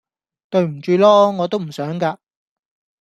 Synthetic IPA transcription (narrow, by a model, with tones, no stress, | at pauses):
t̪ɵ˧ɥm̩˨˩t͡ʃyː˧lɔː˥ŋɔː˨˧t̪o˥wm̩˨˩sœː˨˥ŋkaː˧